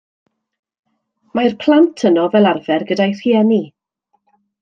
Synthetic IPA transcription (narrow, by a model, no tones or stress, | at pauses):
majrpʰl̥ˠantʰənɔvɛlˠarvɛrɡədajr̥iːɛni